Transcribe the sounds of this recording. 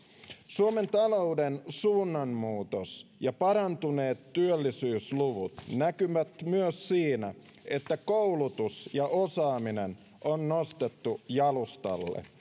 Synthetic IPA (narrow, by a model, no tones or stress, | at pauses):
suome̞nt̪ɑlo̞udensuːnːɑmːuːt̪osjɑpɑɾɑnt̪une̞ːt̪ːyølːisyːsluʋut̪nækyʋæt̪myøsːiːnæ̰ | e̞t̪ːækoulut̪usjɑʔosɑːminen | ʔonːo̞st̪et̪ːujɑlust̪ɑ̰lːḛ